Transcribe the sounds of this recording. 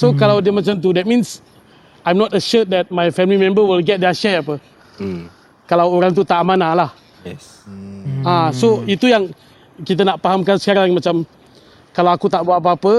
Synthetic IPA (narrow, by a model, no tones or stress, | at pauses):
sokalawdiəmat͡ʃamt̪̬udɛt̚mĩns | ajmnɔtəʃət̚dɛt̚majfɛmlimɛ̃mbəwilɡɛt̚diaʃɛapə | kalawoɾaŋt̪ut̪aʔmanalah | ɛ | asoit̪ujaŋ | kit̪̬anaʔpaɦamkansə̥kaɾaŋmat͡ʃam | kalawakut̪aʔbuaʔap̬əapə